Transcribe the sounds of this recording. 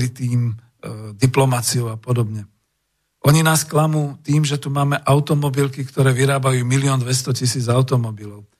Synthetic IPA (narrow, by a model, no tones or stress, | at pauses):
ɾit̪iːm | d̪iplɔmat͡siuapɔd̪ɔbɲɛ | ʔɔɲinaːsklamuːt̪iːmʒɛt̪umaːmɛʔaʊt̪ɔmɔbilkikt̪ɔɾɛːʋiɾaːbajuːmilɪɔːnd̪ʋɛst̪ɔcisiːd͡zaʊt̪ɔmɔbilɔʊ